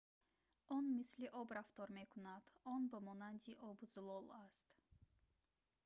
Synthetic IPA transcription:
ɔnmisliʔɔbɾaft̪ɔɾme̞kʰunad̪ɔnbəmɔnand̪iʔɔbuzlɔlast̪

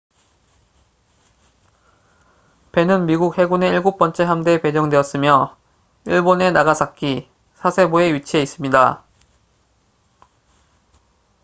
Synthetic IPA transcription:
pe̞nɯnmiɡuk̚he̞ɡune̞iɭɡuk̚p͈ʌnt͡ɕ͈e̞ɦamde̞pe̞d͡ʑʌŋdwe̞ʌts͈ɯmjʌ | iɭbone̞naɡasʰak͈i | sʰasʰe̞boe̞ɥit͡ɕʰie̞is͈ɯmɲida

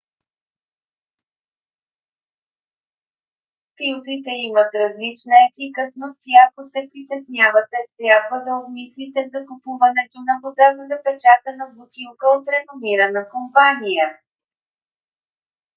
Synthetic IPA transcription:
pilˠt̪it̪ɛimət̪ɾɐzlit͡ʃnəɛfikəsnoft̪ʲjakosɛpɾit̪ɛsnʲjavət̪ɛt̪ɾʲjabvəd̪ɐobmislit̪ɛzɐkʊpuvɐnɛɡʲinɐbod̪avzɐpɛt͡ʃat̪ənəbʊt̪ilˠkəot̪ɾɛnomiɾənəkompanijə

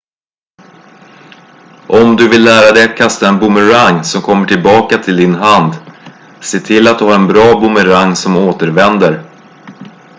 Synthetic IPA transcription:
ʔɔmd̪ɵvɪlːæːɾad̪ɛjat̪kʰast̪aɛnbʊməɾaŋsɔmkʰɔmːəʈʰɪlbɑːkat̪ʰɪld̪ɪnɦand̪ | seːt̪ʰɪlːat̪̚d̪ɵhaɾɛnbɾɑːbʊməɾaŋːsɔmoːt̪əɾvɛnd̪əɾ

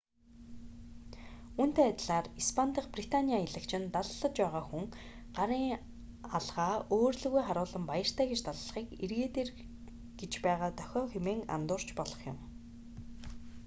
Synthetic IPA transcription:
un̥t̪eːat̪ʲɮaːrispʰan̥t̪ʰə̆χprit̪ʰaniaɪɮə̆kt͡ɕʰɪ̆nt̪aɮɮə̆t͡ɕpæːʁaːxuŋ | ɢaɾiːŋ | aɮʁaːoːrɮɵ̆ɣujχaɾʊːɮə̆mpajə̆r̥t̪ʰæːɡet͡ɕt̪aɮːχiːkerɣeːt̪eːr | ɡ̥et͡ɕpæːʁaːt̪œ̥xʲɔːxemeːŋa̰nt̪ʊːr̥t͡ɕpɔɮɞ̆χjʊ̰̆m

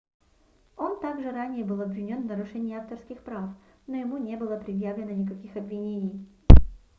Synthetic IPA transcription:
o̞nt̪aɡʐɨɾanʲɪjəbɨlˠɐbvʲɪnʲo̞nvnəɾʊʂɛnʲɪːaft̪ərskʲɪxpɾafnojɪmunʲe̞bɨlˠəpɾʲɪd̪javlʲɪnənʲɪkɐkʲixɐbvʲɪnʲenʲɪj

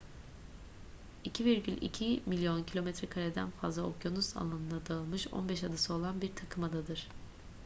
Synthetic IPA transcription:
icʰiviɾɟylʲḭcʰimilʲjo̞ncʰilʲo̞mɛt̪ɾɛkʰaɾed̪æ̰nfazlˠaokʰjo̞nuza̰lˠanɯnd̪ad̪aɯlˠmɯʃo̞̰nbɛʃad̪asɯo̞lˠanbiɾt̪ʰakʰɯmad̪ad̪ɯɾ̥

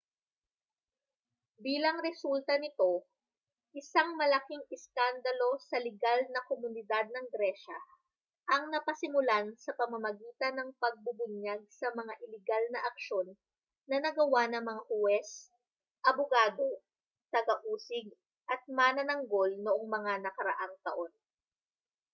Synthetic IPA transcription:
biːlɐŋɾɛsult̪ɐnɪt̪o̞ | ʔɪsaŋmɐlɐkiŋɪskand̪ɐlo̞sɐlɪɡalnɐkomʊnɪd̪ad̪̚nɐŋɡɾɛʃɐ | ʔɐŋnɐpɐsɪmʊlansɐpɐmɐmɐɡiːt̪ɐnɐŋpɐɡ̚bʊbʊɲjaɡ̚sɐmɐŋaʔɪlɪɡalnɐʔɐkʃo̞nː | ɐnɐɡɐwanɐŋmɐŋahʊwɛs | ʔɐbʊɡaːd̪o̞ | t̪ɐɡɐʔuːsɪɡ̚ | ʔɐt̪̚manɐnɐŋɡo̞lnoʔoŋmɐŋanɐkɐɾɐʔaŋt̪ɐ̰ʔo̞n

